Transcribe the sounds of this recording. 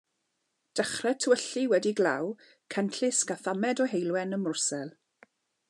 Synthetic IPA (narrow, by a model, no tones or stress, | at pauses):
d̥əχrɛtʰwəɬiwɛdiɡla̰w | kʰɛntʰɪskaθamɛdɔɦejlˠwɛnəmʊrsɛlˠ